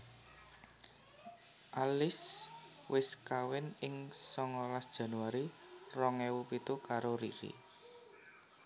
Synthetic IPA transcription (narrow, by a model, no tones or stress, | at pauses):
ʔalɪs | wʔɪskawɪnɪŋsɔŋɔlasd̥ʒ̥a̤nuwaɾirɔŋɛwupit̪ukaɾoɾḭɾḭ